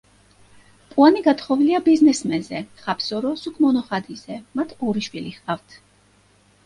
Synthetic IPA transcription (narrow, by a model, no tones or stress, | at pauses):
pʼuaniɡat̪χɔviliabiznɛsmɛnzɛχapʰsɔɾɔsukʰmɔnɔχad̪izɛmat̪ʰɔɾiʃwiliχqʼavt̪ʰ